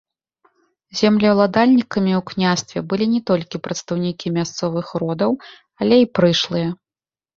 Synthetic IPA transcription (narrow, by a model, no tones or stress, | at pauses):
zʲɛmlʲɐwlˠad̪alʲnʲikɐmʲiwknʲast̪vʲɛbɨlʲinʲɛt̪ɔlʲkʲipɾɐt̪st̪ɐwnʲikʲimʲast̪sɔvɨxrɔd̪ɐw | ɐlʲɛipɾɨʂlˠɨjɐ